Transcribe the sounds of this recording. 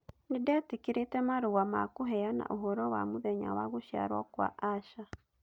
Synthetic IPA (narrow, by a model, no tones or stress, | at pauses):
nidetikiɾetɛmaɾuɣamakuɦɛjana̰ʔuɦɔɾɔwamuβeɲa̰waɣuʃja̰ɾwa̰kwa̰ʔaʃa